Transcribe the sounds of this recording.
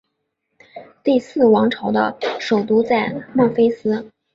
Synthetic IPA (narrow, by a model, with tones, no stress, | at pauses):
t̪i˥˧sɹ̩˥˩wɑ˧˥ŋʈ͡ʂʰɤ˧˥ʊd̪ə̰˧ʂo˨˩ʊt̪u˥t͡sa˥˧ɪmɑ˥˩fe˥ɪsɹ̩˥